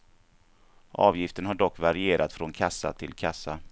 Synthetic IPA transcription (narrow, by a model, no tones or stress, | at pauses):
ʔɑːvjɪft̪əɳhaɖɔkːvaɾɪeːɾʔat̪fɾɔnkʰasːa̰t̪ʰɪlkʰasːa